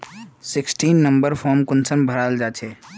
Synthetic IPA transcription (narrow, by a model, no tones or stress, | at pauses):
sɪksʈiːnːə̃mbəɾpʰɔːɾmkʊnsəmbʱəɾaːld͡ʒaːt͡ʃʰɛː